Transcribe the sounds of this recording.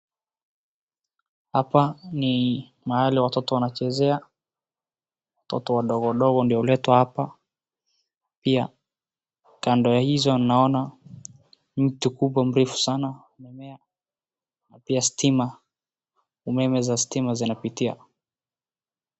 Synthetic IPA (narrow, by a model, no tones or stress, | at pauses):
hapani | mahaliwatɔtɔwanat͡ʃɛzɛa | watɔ̰tɔwaɗɔɣɔwaɗɔɣɔndiɔlɛtwahapa | pia̰ | kandɔjahizɔninaɔna | m̩tukuɓwam̩ɾifu̥sanaumɛmɛa | napiasi̥tima | umɛmɛzasi̥timazinapitia̰